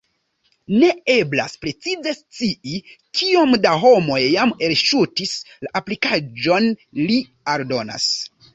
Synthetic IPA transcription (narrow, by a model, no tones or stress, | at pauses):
ne̞e̞bla̰spɾe̞t͡size̞st͡siikio̞mdaɦo̞mo̞jjame̞lʃutislaʔaplikad͡ʒo̞nli | aɾdo̞na̰s